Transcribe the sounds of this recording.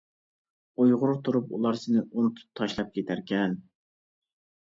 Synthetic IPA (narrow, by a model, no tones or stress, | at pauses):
ujʁʊɾt̪ʰuɾupṵlˠɑɾsɪnɪʔunut̪ʰu̥p̚t̪ʰːɑʃlˠɑp̚kʲet̪ʰæɾkʲɛn